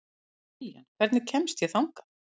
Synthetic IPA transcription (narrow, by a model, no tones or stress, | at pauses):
ja̰nkʰv̥ɛɾt̪nɪcʰɛmst̪jɛθawŋkḁ